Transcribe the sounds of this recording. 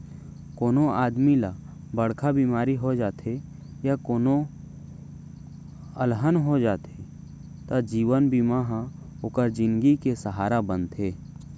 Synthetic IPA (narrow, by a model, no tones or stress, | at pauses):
koːnoaːd̪mila | bəɽkʰabiːmaːɾiɦod͡ʒaːt̪ʰe | jakoːno | əlɦənɦod͡ʒaːt̪ʰe | t̪ad͡ʒiːʋənbiːmaɦa | okəɾd͡ʒɪ̃nɡikesəɦaːɾabənt̪eː